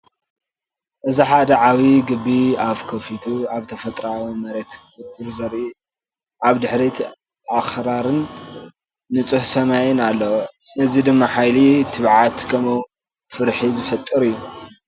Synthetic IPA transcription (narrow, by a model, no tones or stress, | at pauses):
ʔɨziħad̪ɐʕawiɡɨbːiaβkʰɐfit̪ʰuaβt̪ʰɐfɐt̪ʼɾawimɐɾet̪kʰɨɾkuɾzɐɾʔi | ʔaβd̪ɨħɾit̪ʰ | axɾaɾɨnː | ɨt͡sʼɨhsɐmajɪnalːɐwnɐzid̪ɨmːaħajlit̪ʰɨβʕat̪kʰɐmow | fɨɾħizɨfɐt̪ʼːɨɾɨjːu